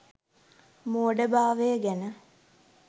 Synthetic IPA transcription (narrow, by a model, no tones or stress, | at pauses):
moːɖəbaːʋejəɡenə